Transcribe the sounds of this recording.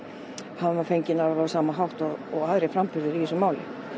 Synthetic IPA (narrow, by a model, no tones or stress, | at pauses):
havʏmafejɲcɪnaɾavaɾsaːmaɦawht̪ɔːɣaðɾɛfɾampʏɾðɪɾiɛsʏmaːwlɪ̰